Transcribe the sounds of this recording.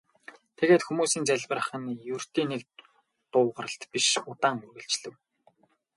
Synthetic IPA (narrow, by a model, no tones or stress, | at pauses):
t̪ʰeɣeːt̪xumuːsiːnt͡sæɮʲpə̆rə̆χə̆njur̥t̪iːnek | t̪ʊːʁə̆rə̆ɬt̪piʃʊt̪aːŋurɣɘ̆ɬt͡ɕɮɘ̆w